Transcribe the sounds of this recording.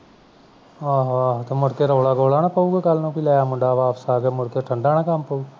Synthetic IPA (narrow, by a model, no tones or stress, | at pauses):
aːɦat̪emʊɽkeːɾoːɽaːɡoːɽaːnãpəuːɡeːkəlnũːpilaːjaːmʊɖaːʋaːpəsaːɡeːmʊɽkeʈʰəɳɖaːnãːkampəuː